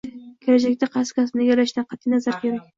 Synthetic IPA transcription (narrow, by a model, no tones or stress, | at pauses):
kʲʰeɾad͡ʒakʲt̪aqʰɑskʲʰas̬ɪnaɡʲaɾaʃnaqʰɑt̪ʰɪnazaɾkʲʰeɾakʲ